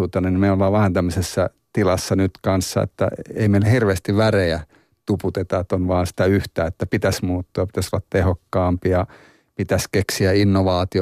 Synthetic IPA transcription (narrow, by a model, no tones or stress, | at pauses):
uːt̪ɑnenimeiolːʋɑːʋʋæhænt̪æmːøsesːɑ | t̪ilɑsːɑnyt̪kɑnsːɑ̰ḛt̪ːæ̰ḛimeilːæhirʋeːst̪iʋʋæreæ | t̪uput̪et̪ɑet̪ːonʋɑːnsi̥t̪æyht̪æːet̪ːæpit̪æsmuːt̪ːuɑpi̥t̪æsolːɑt̪t̪ehokːɑːmpiɑ | pit̪æskeksiæinːoʋɑːt̪i